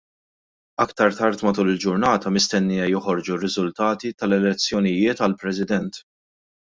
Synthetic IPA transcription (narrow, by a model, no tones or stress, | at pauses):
ɐkt̪ɐɾt̪ɐɾt̪mɐt̪uːlɪld͡ʒʊɾnɐːt̪ɐmɪst̪ɛnːiːjɛjɔħɔɾd͡ʒurːɪzʊlt̪ɐːt̪it̪ɐlɛlɛt͡sːjɔnɪjɪːt̪ɐlpɾɛsɪd̪ɛnt̪